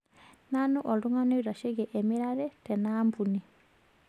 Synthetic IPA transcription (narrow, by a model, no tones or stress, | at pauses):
nanuʔoduŋanuiɾaʃeɡeʔemiɾaɾɛtɛnaːmbuni